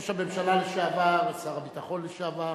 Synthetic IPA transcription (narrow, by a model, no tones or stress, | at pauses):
ʃabeemʃalaleʃeavaʁet͡saʁabit̪aχo̞nleʃeava